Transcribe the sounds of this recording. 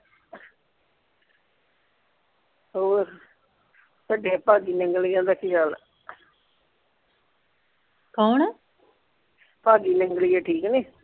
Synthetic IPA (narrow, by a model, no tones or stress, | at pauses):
ɦoːɾ | səɖeːpaːɡiːnɪŋɡlijãːd̪aːkʰial | kɔːn | paːɡiːnɪŋɡliːeːʈʰiːkniː